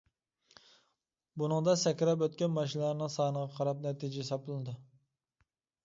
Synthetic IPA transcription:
bunɨŋd̪ɑsɛkʲɾɑpøt̪kʲɛnmɑʃ̬inlˠɑɾnɨŋsɑːnəʁɑqʰɑɾɑp̚nɛt̪ʰid͡ʒɛsɑplˠɨnɨd̪u

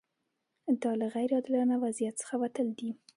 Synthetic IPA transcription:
d̪ɑlaɣajɾɑd̪ɪlɑnawazijat̪t͡sə̥xawat̪əld̪i

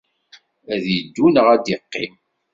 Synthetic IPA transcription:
æðjid̪ːunəʁæd̪iqːḭm

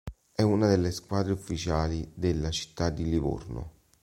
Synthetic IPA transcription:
ɛunad̪elːeskwaːd̪ɾeufːit͡ʃaːlid̪elːat͡ʃi̥t̪ːad̪ːilivo̰rnʊ̰

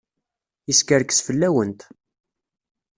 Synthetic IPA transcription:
iskəɾkə̥sfəlːæwənt̪

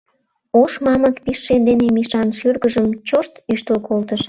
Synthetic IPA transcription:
oʃmɑməkpiʃːend̪enemiʃɑnʃyrɣəʒəmt͡ɕoʃt̪yʃt̪əlkolt̪əʃ

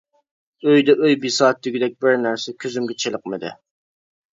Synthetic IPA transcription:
øjd̪ɛʔøjbisɑːt̪ʰːyɡʲid̪ɛk̚ʲbɪɾnæɾsɛkʲʰyzymɡʲɛt͡ʃʰelˠəqmɪd̪ɪ̰

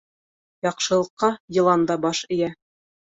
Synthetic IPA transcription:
jɑqʃɤ̆lˠɤ̆qːɑjɤ̆lˠɑnd̪ɑbɑʃɘ̆jæ

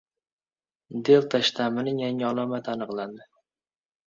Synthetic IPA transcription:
d̪elt̪ʰaʃt̪ʰamɪnɪŋjaŋɪɒlˠɒmat̪anɨqlˠand̪ɪ

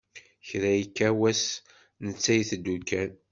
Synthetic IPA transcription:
çɾæjkːæwæs | nət͡sːæjθd̪ːukːæn

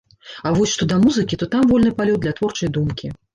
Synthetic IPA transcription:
avɔsʲʂt̪ɔd̪ɐmuzɨkʲit̪ɔt̪amvɔlʲnɨpalʲɔt̪̚d̪lʲɐt̪vɔrt͡ʂɐjd̪umkʲi

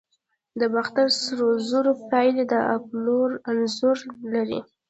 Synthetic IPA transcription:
d̪əbaxt̪aɾsɾozuɾopɑjled̪əʔa̰ploɾanzuɾlaɾḭ

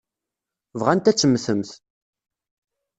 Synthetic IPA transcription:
vʁænt̪æt͡sːəmːθəmθ

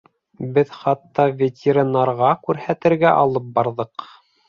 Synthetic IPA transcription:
bɘðχɑt̪ːɑvʲetʲʰeɾinːɑɾʁɑkʉɾhæt̪ɘ̆ɾɡæʔɑlˠɤp̚bɑɾðɤq

